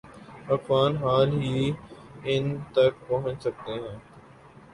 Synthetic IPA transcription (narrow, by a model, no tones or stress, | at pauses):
ɐfwaːnɦaːlɦiː | ɪnt̪ɐk̚pɐɦʊ̃ɲt͡ʃsɐk̚t̪eɦɛ̃ː